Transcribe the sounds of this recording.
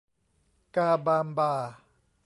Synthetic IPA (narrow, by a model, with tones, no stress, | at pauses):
kaː˧baː˧mbaː˧